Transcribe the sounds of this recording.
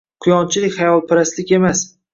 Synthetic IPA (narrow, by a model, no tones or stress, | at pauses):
qʰʊjɒnt͡ʃʰɪlɪkʲχɑjɒlˠpʰɪɾaslɪkʲe̞mas